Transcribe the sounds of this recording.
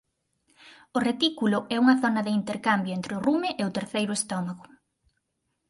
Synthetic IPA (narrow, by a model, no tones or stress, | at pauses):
ʊret̪ikulʊɛuŋɐθɔnɐðɪint̪eɾkambjʊent̪ɾɪʊrumɪʔeʊt̪eɾθejɾʊest̪ɔmaɣʊ